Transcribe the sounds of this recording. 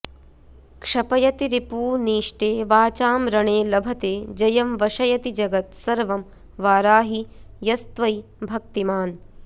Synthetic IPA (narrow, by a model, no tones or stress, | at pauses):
kʂɐpɐjɐt̪iɾipuːniːʂʈeːʋaːt͡ʃaːmɾɐɳeːlɐbʱɐt̪eːd͡ʒɐjɐmʋɐʂɐjɐt̪id͡ʒɐɡɐt̪sɐɾʋɐm | ʋaːɾaːɦijɐst̪ʋɐj | bʱɐk̚t̪imaːn